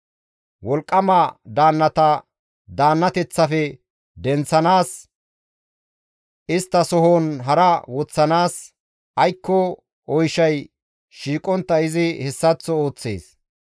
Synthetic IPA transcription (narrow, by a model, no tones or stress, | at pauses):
wɔlkʼːɐmɐd̪aːnːɐt̪ɐ | d̪aːnːɐt̪ɛt͡sːɐfɛ | d̪ɛnt͡sːɐnaːs | ɪst̪ːɐsɔɦonɦɐɾɐwɔt͡sːɐnaːs | ʔɐjkːɔ | ɔjʃɐj | ʃiːkʼɔnt̪ːɐɪzɪhɛsːɐt͡sːɔoːt͡sːḛːs